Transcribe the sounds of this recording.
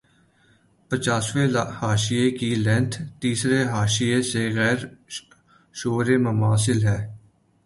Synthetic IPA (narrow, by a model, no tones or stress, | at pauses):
pət͡ʃaːsʋehaːʃiekilɛ̃nt̪ʰt̪iːsɾeɦaːʃijeseɣɛːɾ | ʃoːɾeməmaːsɪlɦɛː